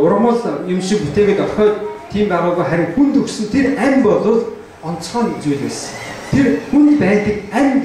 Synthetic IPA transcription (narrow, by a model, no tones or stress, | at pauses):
ʊɾʁ̆mə̆ɮjʊmʃĭŋput̪eːɣeːk̪ɔɮχœːt̪t̪ʰːiːmɢaɾʊːɣuːjχæɾʲɪ̆ŋxunt̪ɵksɘ̆nt̪ʰeræmpɔɮʊːɮ | ɔn̥t͡sχaːnt͡sujɮeːs | t̪ʰerxunt̪pæːt̪ə̆kæm